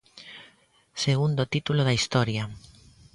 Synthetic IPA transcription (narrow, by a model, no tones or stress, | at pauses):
seɣund̪ot̪it̪uloðɐist̪ɔɾjɐ